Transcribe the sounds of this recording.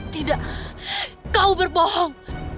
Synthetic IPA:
t̪idaʔ | kaubərbɔhɔŋ

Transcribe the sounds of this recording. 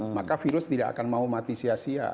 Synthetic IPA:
makafiɾʊst̪idaʔa̰kanmaumat̪isiasia̰

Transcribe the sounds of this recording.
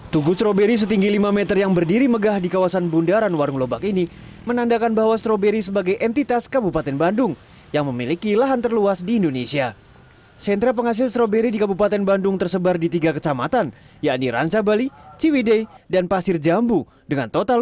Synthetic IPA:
t̪uɡust̪ɾobeɾis̬ət̪iŋɡilimamɛt̪ərjaŋbərdiɾiməɡahdikawasanbundaɾanwaɾuŋlobakini | mənandakanbaɦwast̪ɾobeɾisəbaɡajʔɛnt̪it̪askəbupat̪ɛnbandʊŋ | jaŋməmilikilaɦant̪ərluasdiːndonesia | sɛnt̪ɾap̬əŋas̬ɪlst̪ɾobeɾidikabupat̪ɛnbandʊŋt̪ərsəbardit̪iɡakət͡ʃamat̪an | jaʔniɾa̰ɲt͡ʃabalit͡ʃiwidedanpasɪrd͡ʒambu | dəŋant̪ot̪a

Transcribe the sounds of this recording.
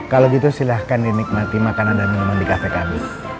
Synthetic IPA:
kaloɡit̪usilahkandinik̚mat̪imakanandanimandikafɛkabɪs

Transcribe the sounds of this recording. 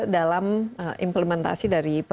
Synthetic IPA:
dalaməʔḭmpləmɛnt̪a̰sidaɾip

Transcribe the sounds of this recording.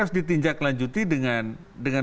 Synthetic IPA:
ʊsdit̪iɲd͡ʒaklaɲd͡ʒut̪idəŋandəŋan

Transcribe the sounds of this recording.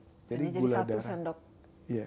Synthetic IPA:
d͡ʒadiɡuladasandɔk̚ | ija

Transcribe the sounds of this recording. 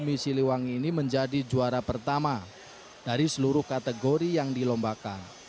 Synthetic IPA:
misiliwaŋiniməɲd͡ʒadid͡ʒuaɾapərt̪ama | d̥aɾisəluɾʊhkat̪əɡoɾijaŋdilɔmbakan

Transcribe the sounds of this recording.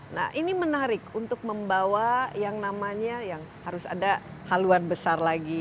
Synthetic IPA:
na̰hʔinimənaɾɪkunt̪ʊk̚məmbawajaŋnamaɲajaŋ | haɾʊsa̰dahaluanbəsarlaɡi

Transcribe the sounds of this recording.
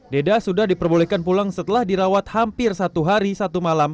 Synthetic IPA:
dedasudahdipərbolɛhkanpulaŋsət̪əlahdiɾawat̪̚hampɪrsat̪uɦaɾisat̪umalam

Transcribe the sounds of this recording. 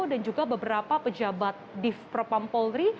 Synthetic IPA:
odand͡ʒuɡabəbəɾapapəd͡ʒabat̪̚dɪfpɾopampolɾi

